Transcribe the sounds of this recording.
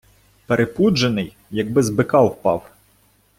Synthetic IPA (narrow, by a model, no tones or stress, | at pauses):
peɾʔepud͡ʒenɪj | jɐɡ̚bɪzbɪkɑwwpɑ̰w